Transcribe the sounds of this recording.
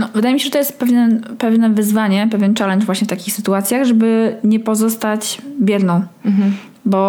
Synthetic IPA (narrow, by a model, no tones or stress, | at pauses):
nɔvɘd̪ajemiɕɛʐɛt̪ɔjɛst̪̚pɛvʲɛnpɛvnɛvɘzvaɲɛpɛvʲjɛnt͡ʂalɛnʐvwaɕɲɛft̪akʲixsɘt̪uat̪sʲjaɣʐɛbɘɲɛpɔzɔst̪at͡ɕbʲjɛd̪nɔ̃w̃ | bɔ